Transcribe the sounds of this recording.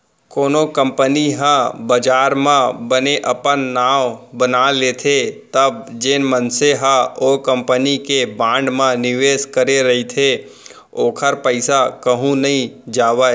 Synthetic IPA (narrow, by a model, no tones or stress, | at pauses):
koːnokə̃mpəniɦãbəd͡ʒaːɾmãbəneʔəpənːaːʋbənaleːt̪ʰet̪əbd͡ʒeːnmənseɦaokə̃mpənikebãːɳɖmãnɪʋeːskəɾeɾɐɦit̪ʰe | oːkʰəɾpəɪsakəɦũnəɦĩd͡ʒaːʋə